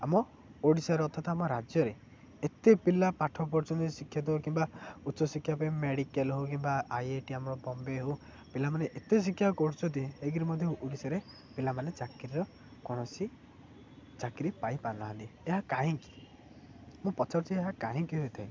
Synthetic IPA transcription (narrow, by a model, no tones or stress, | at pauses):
amɔ | oɽisaɾeɔt̪ʰɔt̪amɔɾad͡ʒjɔɾe | et̪epilapaʈʰɔp̬ɔɾt͡ʃɔnisikʰːjat̪̬ɦokimbautːt͡ʃɔsikʰjapaĩmeɽikelɦokimbaajeʈiamɔɾɔbɔmbeɦo | pilamaneʔet̪es̬ikʰːjakɔɽut͡ʃʰɔnt̪iɦeɡiɾimɔd̪ʱjɔʔuɽisaɾe | pilamanet͡ʃakɾiɾɔ | kɔɽ̃ɔsi | t͡ʃakɾipajpanaɦɔnt̪ieɦakaɦĩki̥ | mũpɔt͡ʃʰɔɾt͡ʃʰieɦakaɦĩkiɦojt̪ʰaĩ